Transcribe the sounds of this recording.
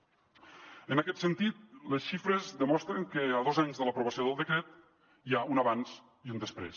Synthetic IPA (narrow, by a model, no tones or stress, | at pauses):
ənakɛt̪sənt̪it̪̚ləsʃifɾəzðəmɔst̪ɾəŋkəəðozaɲzðələpɾuβəsioðəlˠd̪əkɾɛt̪̚ | iaunəβanz | iund̪əspɾḛs